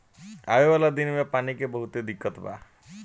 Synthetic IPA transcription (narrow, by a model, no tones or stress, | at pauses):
aebalad̪inmepanikebɔɦut̪ed̪ikːɔt̪ba̰